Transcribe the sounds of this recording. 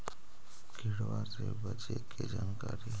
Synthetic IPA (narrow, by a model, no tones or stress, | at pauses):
ɡʱiɽʋaɾt̪ebəd͡ʒetked͡ʒaːnkaɾi